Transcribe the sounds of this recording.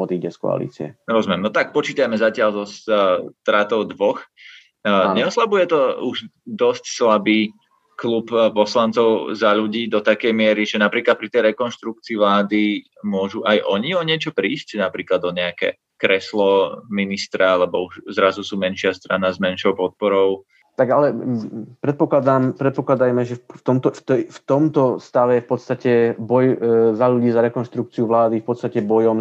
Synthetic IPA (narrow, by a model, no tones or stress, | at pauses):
ɔd̪iɟɛskɔ̰a̰lḭt͡siɛ̰ɾɔzumjɛmnɔt̪ak̚pɔt͡ʃiːt̪ajmɛzacɪaʎzɔst̪ɾaːt̪ɔʊd̪ʋɔx | ɲɛɔslabujɛt̪ɔuʒd̪ɔscslabiː | kluppɔslant͡sɔʊzaʎuɟiːd̪ɔt̪akɛjmɪɛɾiʒɛnapɾiːklat̪̚pɾit̪ɛjɾɛkɔnʃt̪ɾukt͡siːʋlaːd̪i | mʊɔʒuʔajʔɔɲiɔɲɪɛt͡ʃɔpɾiːscnapɾiːklad̪ɔɲɛakɛ̰ | kɾɛslɔminist̪ɾaalɛbɔuʒzɾazusuːmɛnʃɪast̪ɾanazmɛnʃɔʊpɔt̪̚pɔɾɔʊ | t̪aɡalɛpɾɛt̪̚pɔklad̪aːmpɾɛt̪̚pɔklad̪ajmɛʒɛft̪ɔmt̪ɔft̪ft̪ɔmt̪ɔst̪aʋɛjɛfpɔt̪st̪acɛbɔjzaʎuɟiːzaɾɛkɔnʃt̪ɾuk̚t͡siuʋlaːd̪ifpɔt̪st̪acɛbɔjɔm